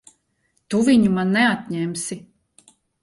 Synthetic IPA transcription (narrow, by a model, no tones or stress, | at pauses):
t̪uviɲumanːɛat̪ʲɲɛmsi